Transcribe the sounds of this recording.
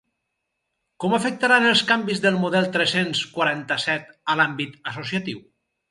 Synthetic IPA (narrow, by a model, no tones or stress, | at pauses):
kɔmafək̚t̪aɾanelˠskambizðəlˠmuðɛlˠt̪ɾɛsenskwaɾant̪əsɛt̪əlambit̪əsusiat̪iw